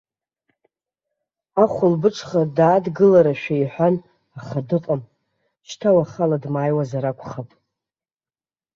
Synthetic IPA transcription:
aχʷʊlbɨʈ͡ʂʰʼχadaːdɡɨlaɾaʃᶣaiħʷᶣan | aχadɨqʼam | ʃtʰawaχaladmaːjwazaɾakʷʰʼχapʼ

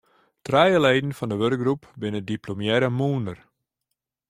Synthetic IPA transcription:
trɛjəlɛjdn̩fɔndəʋørkɡ̚ɡrupbɪnədiplomjɛɾəmuːndər

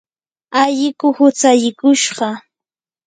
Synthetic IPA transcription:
aʎɪkʊhʊt͡saʎɪkʊʃɢɑ

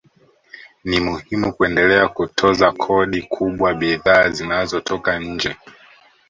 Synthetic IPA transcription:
nimuhimukuɛndɛlɛakutʰɔzakʰɔɗikʰuɓwaɓiðaːzinazɔtɔkaɲ̩d͡ʒɛ

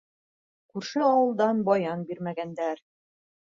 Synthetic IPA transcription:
kʉɾʃɘɑwɤ̆lˠd̪ɑnbɑjɑnbiɾmæɡænd̪æɾ

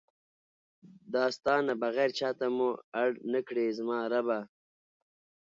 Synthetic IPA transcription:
d̪ɑːst̪ɑːnabaɣɛːɾt͡ʃɑːt̪amuaɽnəkɽezmɑːɾaba

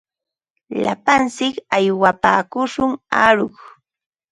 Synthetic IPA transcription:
la̰pant͡sɪkajwapaːkʊʃʊŋaɾʊχ

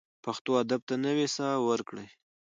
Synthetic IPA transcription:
paxt̪oad̪ab̚t̪anəwesɑwəɾkɽəj

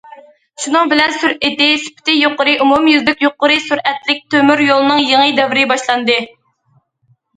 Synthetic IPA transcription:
ʃunɨŋbɪlɛnsyɾɪt̪ɪsy̥pʰɪ̥t̪ɪjoqːʊɾɨʔumumjyzlɪkʲjoqːʊɾɨsyɾɛt̪lɪk̚ʲt̪ʰømyɾjolˠɨnɨŋjeŋɨd̪ɛvɪɾɪbɑʃlˠɑnd̪ɨ

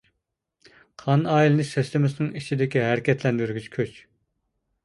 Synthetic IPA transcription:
qʰɑnɑːjilˠɪnɪʃsɛst̪ɪmɪsɪnɪŋit͡ʃʰid̪ɪkʲiɦæɾɪkʲɛt̪ʰlɛnd̪yɾɡʲyt͡ʃkʲʰøt͡ʃ

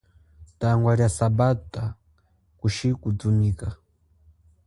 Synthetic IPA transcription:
taŋɡwaɾjasabata | kuʃikud͡zunika

